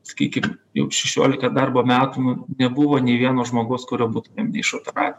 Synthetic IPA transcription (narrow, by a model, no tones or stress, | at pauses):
sɐ̥kʲiːkʲɪmjɛ̰ʊʃʲɛʃʲo̰ːlʲɪkɐd̪ɐrboːmʲæːt̪unʊnʲɛbʊʋoːnʲeɪʋʲiɛnoːʒmoːɡoːskʊɾʲoːbuːt̪ʊmʲeːmnʲɛɪɪʃoːt̪ʲɛɾɑ̰ːt̪ʲ